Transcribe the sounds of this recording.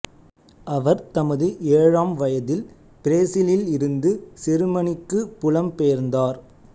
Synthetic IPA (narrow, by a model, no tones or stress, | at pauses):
ʔɐʋɐɾt̪ɐmɐðɯʔeːɻaːmʋɐjɐðɪl | pɪɾeːsɪlɪlɪɾɯnd̪ɯsɪɾɯmɐɳɪkːɯpʊlɐmpeːɾnd̪aːɾ